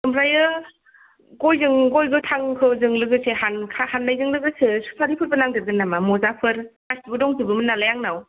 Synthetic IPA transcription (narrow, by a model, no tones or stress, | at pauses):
sɯmɾajɯ | ɡojzɯŋɡojɡɯtʰaŋkʰɯzɯŋlɯɡɯsehankʰahanːajzɯŋlɯɡɯsesu̥pʰaɾipʰɯɾ̚bɯnaŋdɯɾɡɯnːamamɔzapʰɯɾkastiɡɯdɔŋzɯbɯmɯnːalajaŋnaw